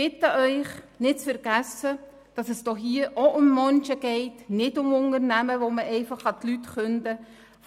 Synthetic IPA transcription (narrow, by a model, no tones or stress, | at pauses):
ɪtəʔœʏχnɪt̚t͡sfəɾɡ̥æsə | d̥ɑsɛsd̥ɔχɦiːəʔoʔʊmːœnt͡ʃəɡ̥ɛɪtnɪdʊmʊŋəɾnæməʋoməʔɛɪfɑχhɑt̪lytχʏndə